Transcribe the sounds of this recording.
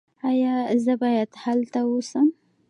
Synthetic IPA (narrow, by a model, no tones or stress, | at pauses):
ajɑzəbɑjad̪halt̪awusəm